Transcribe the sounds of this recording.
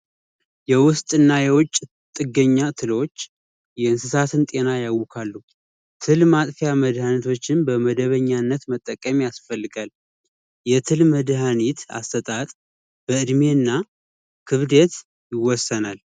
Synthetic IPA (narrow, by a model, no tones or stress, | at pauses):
jɛwʊst̪ʼɨnːajɛwɔt͡ʃʼː | t̪ʼɨɡəɲːat̪ʰɨlot͡ʃː | jɛɨnsɨsat̪ɨnt̪ʼe̞najawːɔkʰalːu | t̪ʰɨlmat̪ʼfejaməd̪hanit̪ʰo̞t͡ʃːɪnbəməd̪əβəɲːanːət̪mət̪ʼːəkʼːəmijasfəlːɨɡal | jɛt̪ʰɨlməd̪ɦanit̪a̰st̪ət̪ʼat̪ʼ | b̥əɨd̪menːa | kʰɨβd̪et̪ | jɪwɔsːənal